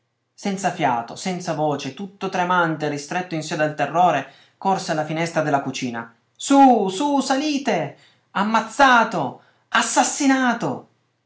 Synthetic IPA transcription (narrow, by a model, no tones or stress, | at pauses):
sɛnt̪safjaːt̪o̰sɛnt̪savoːt͡ʃet̪ut̪ːot̪ɾemant̪erist̪ɾet̪ːoinsiod̪alt̪erːoːɾe | korsealafinɛst̪ɾad̪elːakut͡ʃiːna̰ | sususaliːt̪e | amːat̪sːaːt̪o | asːasːinaːt̪o̰